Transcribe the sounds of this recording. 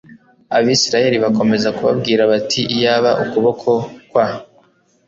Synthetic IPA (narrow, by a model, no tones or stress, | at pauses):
aβisiɾaje̞ɾiβako̞me̞zakuβa̰bɡiːɾaβatʰiʔijaβaʔukuβo̞kʰo̞kwa